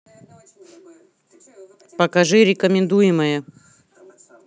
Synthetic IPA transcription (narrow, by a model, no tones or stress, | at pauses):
pəkɐʐɨɾʲɪkəmʲɪnd̪ujɪməjə